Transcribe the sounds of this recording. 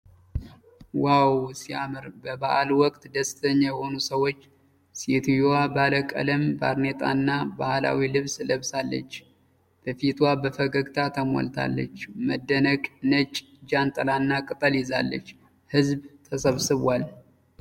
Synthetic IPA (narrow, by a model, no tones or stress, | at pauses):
wawsiamɨɾbəbaʔalwɔkʼt̪d̪əst̪ʰəɲːajɛho̞nusəwo̞t͡ʃː | set̪ʰjoabaləkʼə̰ləmba̰ɾnet̪ʼa̰nːabahla̰wilɨβsləβsalːə̰t͡ʃː | b̥əfit̪wabəfəɡəɡt̪ʰat̪ʰəmo̰lt̪ʰa̰lːə̰t͡ʃːməd̪ːənəkʼnət͡ʃʼ | d͡ʒant̪ʼəlanːakʼɨt̪ʼəliza̰lːə̰t͡ʃː | hɨzbt̪ʰəsəβsɨβal